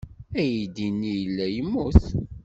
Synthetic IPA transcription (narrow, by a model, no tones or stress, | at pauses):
æjid̪inːijəlːæjəmːuθ